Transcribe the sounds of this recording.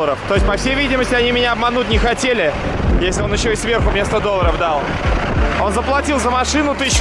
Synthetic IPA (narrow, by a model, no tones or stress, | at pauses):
əɾəft̪o̞ɪs̚ʲpɐfsʲejvʲidʲɪməsʲtʲɪɐnʲimʲɪnʲaɐbmɐnut̚ʲnʲɪxɐtʲelʲɪ | jesʲlʲɪo̞njɪɕːoɪsvʲe̞rxʊmʲnʲest̪əd̪o̞lˠːəɾəvd̪ɑlˠ | o̞nzəplˠɐtʲilˠzəmɐʂɨnʊt̪ɨɕː